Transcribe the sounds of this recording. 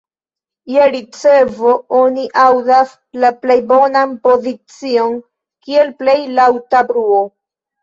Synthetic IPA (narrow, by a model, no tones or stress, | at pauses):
jaɾit͡sevo̞oniʔawdas | laplejbo̞nanpo̞zit͡sio̞n | kie̞lple̞jlawtabɾuo